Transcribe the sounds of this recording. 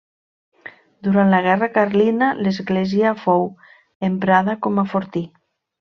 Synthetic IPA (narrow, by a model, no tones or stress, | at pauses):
d̪uɾanlaɣ̞ɛrakaɾlinalezɣleziafow | empɾaðakɔmafoɾt̪i